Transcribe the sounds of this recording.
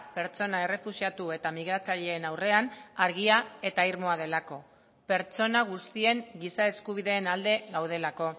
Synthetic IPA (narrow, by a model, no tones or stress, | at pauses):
pe̞ɾt͡ʃo̞nae̞re̞fusiat̪ue̞t̪amiɣ̞ɾat͡saʎe̞ːnawre̞anaɾɣ̞iae̞t̪aiɾmo̞að̞e̞lako̞ | pe̞ɾt͡ʃo̞naɣ̞ust̪ie̞ŋɡisae̞skuβ̞iðe̞ːnald̪e̞ɣawð̞e̞lako̞